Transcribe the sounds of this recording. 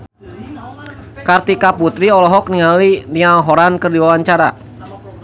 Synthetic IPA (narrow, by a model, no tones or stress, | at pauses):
kart̪ikaput̪ɾiɔlɔɦɔk̚niŋalinialɦɔɾankərdiwawaɲt͡ʃaɾa̰